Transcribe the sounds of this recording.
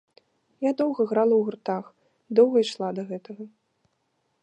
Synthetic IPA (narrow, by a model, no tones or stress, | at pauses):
jad̪ɔwɣɐɣɾalˠɐwɣurt̪ax | d̪ɔwɣɐiʂlˠad̪ɐɣɛt̪ɐɣɐ